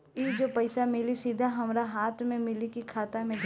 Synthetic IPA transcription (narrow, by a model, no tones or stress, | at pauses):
id͡ʒoːpɐɪsamɪlisid̪ʱaɦɐmɾaɦaːt̪ʰmẽmɪlikikʰaːt̪amẽ